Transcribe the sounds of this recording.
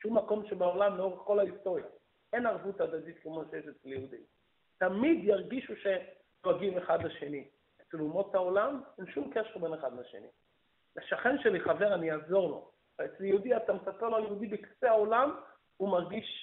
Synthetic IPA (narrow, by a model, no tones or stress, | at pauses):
ʃumːako̞mʃebaolamleo̞ʁeχko̞laist̪o̞ʁja̰ | e̞naʁvut̪ad̪ad̪it̪kemoʃejeʃet͡sljehud̪i | tamid̪jaʁɡiʃuʃe | ʁaɡimeχad̪laʃe̞ni | et͡selumo̞t̪ao̞lamenʃumkeʃeʁbeneχad̪laʃe̞̰nḭ | laʃaχe̞nʃeliχave̞ʁanijaːzo̞ʁlo̞̰ | et͡sljeud̪iat̪amesapeʁloaljehud̪ibeki̥seao̞lam | umaʁɡiʃ